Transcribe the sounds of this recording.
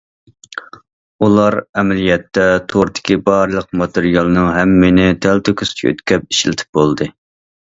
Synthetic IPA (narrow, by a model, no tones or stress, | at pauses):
ulˠɑɾɛmɛlijɛt̪ːɛt̪ʰoɾd̪ɪ̥kʲʰibɑɾlˠəq̚mɑt̪ɨɾijɑlˠɨnɨŋɦɛmːɪnɪt̪ʰælt̪økʰʲyst͡ʃʰø̰t̪kʲʰɛp̚i̥ʃlɪt̪ʰɪ̥p̚bolˠd̪ɨ